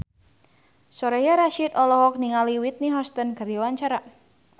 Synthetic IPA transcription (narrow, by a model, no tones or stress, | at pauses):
sɔɾɛjaɾaʃid̪ɔlɔɦɔk̚niŋaliwit̪̚niɦɔst̪ənkɨrdiwaɲt͡ʃaɾa